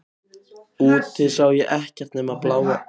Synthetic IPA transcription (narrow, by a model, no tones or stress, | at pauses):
uːt̪ɪsaːwjɛʔɛhcɛɾ̥t̪nɛːmaðplaːwɣa